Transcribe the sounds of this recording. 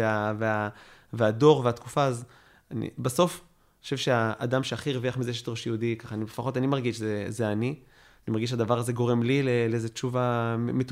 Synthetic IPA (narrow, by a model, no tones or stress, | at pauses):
eaveaveado̞ʁveat̪kufaːz | anḭbaso̞f | oʃevʃeaːd̪amʃeaχiʁeviaχmizeʃ̬et̪ʁoʃiudikaχaːnibefaχo̞t̪animaʁɡiʃzezeani | animaʁɡiʃ̬ad̪avaʁaze̞ɡo̞ʁe̞mlileleezet͡ʃuvametu